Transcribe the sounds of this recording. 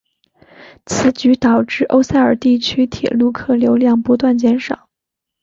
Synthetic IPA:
t͡sʰɹ̩˧˥t͡ɕy˧˥t̪ɑ˨˩ʊʈ͡ʂɻ̩˥˩ʔo˥ʊsa˥˩ə˞˨˩t̪i˥˩t͡ɕʰy˥t̪ʰjɛ̰˨˩lu˥˧kʰɤ˥˩ljo˧˥ʊljɑ˥˩ŋpu˧˥t̪wa˥˩nt͡ɕjɛ˧˥nʂɑ̰˨˩˦

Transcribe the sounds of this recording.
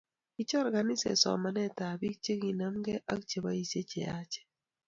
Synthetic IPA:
i˦t͡ʃɔ˦ɾɡa˨nɪ˦sɛ̰˨sɔ̰˨ma˨nɛ˦ta˨bi˦k̚t͡ʃe˦ki˨na˦mɡɛ˦ʔa̰˦k̚t͡ʃe˨ba˦i˨se˦t͡ʃe˨a˦t͡ʃe̥˦

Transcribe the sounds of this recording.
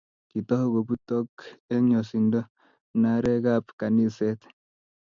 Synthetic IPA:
ki˨t̪ɔ˦ho˦ɡo˨bu˦t̪o˦ke˦ɲo˨si˨ndo˦ | na˦ɾɛ˦ɡa˦pka˨ni˦sɛ˦t̪

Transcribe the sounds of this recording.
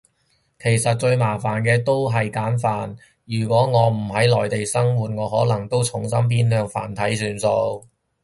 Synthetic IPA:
kʰe˨˩jsɐ˨t̚t͡ʃɵ˧ɥmaː˨˩faː˨˩nkɛː˧t̪o˥wɦɐ˨jkaː˨˥nfaː˨n | jyː˨˩kʷɔː˨˥ŋɔː˨˧m̩˨˩ɦɐ˨˥jlɔː˨˩jt̪e˨jsɐ˥ŋwuː˨t̚ŋɔː˨˧ɦɔː˨˥lɐ˨˩ŋt̪o˥wt͡sʰʊ˨˥ŋsɐ˥mpʰiː˥nhœː˧ŋfa̰ː˨˩nt̪ʰɐ˨˥jsyː˨˧nso˧w

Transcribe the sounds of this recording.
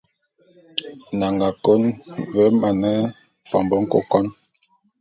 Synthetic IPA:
na˨ŋɡa˨ko˦nvɛ˦ma˨nɛ˦ | fɔ˨mbə˨ŋ̩˦ko̰˦˨kɔ˦n

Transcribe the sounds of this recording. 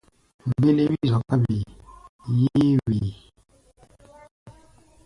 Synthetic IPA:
m̩˨be˦le˦bi˦zɔ˨ka˦bi˨ | je˦wi˨

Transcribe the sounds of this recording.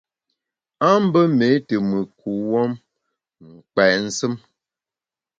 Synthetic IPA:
a˦m̩˦bə˦me˨˦tə˨mɨ˨kʰu˨wɔ˦m | ŋ̩˨k͡pɛ˨n̩˦sɨ˦m

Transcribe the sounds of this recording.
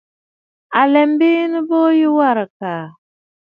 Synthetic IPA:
a˨lɛ˨m˦bi˦nə˦bɔ˦ji˦wa˦˨ɾə˨kaː˨

